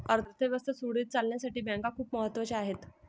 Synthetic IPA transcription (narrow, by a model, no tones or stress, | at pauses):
əɾt̪ʰət̪ʰeʋəst̪əsuɽiːt̪̚t͡salnjasaʈiːbãŋkakʰuːpməɦət̪ːʋət͡ɕeaɦet̪